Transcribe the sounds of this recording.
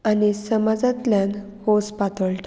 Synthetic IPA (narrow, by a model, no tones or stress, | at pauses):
anisəmad͡zãt̪ljãn | hospat̪əɭʈ